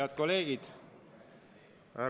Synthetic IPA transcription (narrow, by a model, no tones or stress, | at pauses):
ɑd̪̚ko̞leːɡ̥id̪̥ | æ